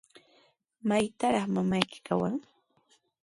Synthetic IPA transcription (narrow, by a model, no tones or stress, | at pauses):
majt̪aɾɑχmamajkɪ̥kawa̰ŋ